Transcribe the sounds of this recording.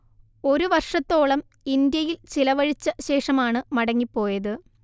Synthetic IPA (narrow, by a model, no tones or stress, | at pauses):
o̞ɾuʋɐrʂɐt̪ːo̞ːɭɐm | ind̪jɐjilt͡ɕilɐʋɐɻit͡ɕːɐɕe̞ːʂɐmaːɳɨmɐɽɐŋːipːo̞ːjɐðɨ